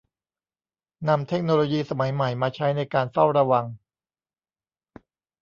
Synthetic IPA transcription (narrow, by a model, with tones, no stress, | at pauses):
na˧mt̪ʰe˦˥k̚noː˧loː˧jiː˧sa˧ma˩˦jma˨˩jmaː˧t͡ɕʰa˦˥jna˧jkaː˧nfa˥˩wɾa˧wa˧ŋ